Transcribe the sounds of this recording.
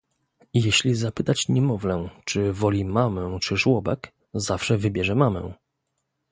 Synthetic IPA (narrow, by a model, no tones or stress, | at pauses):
jɛɕlʲizapɘt̪at͡ɕɲɛmɔvlɛt͡ʂɘvɔlʲimamɛ̃t͡ʂɘʐwɔbɛ̰k | zafʂɛvɘbʲjɛʐɛmamɛ̰